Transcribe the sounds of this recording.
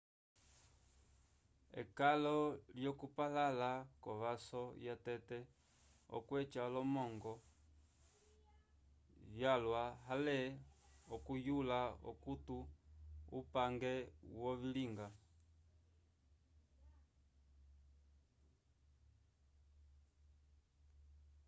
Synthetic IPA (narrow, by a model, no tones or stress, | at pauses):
ɛ̰kalɔljɔkupalalakɔβasɔjatɛtɛ | ɔ̰kwɛt͡ʃalɔmɔŋɡɔ | jalwaɦalɛɔkujulaɔ̰kutuṵpaŋɡɛwɔβiliŋɡa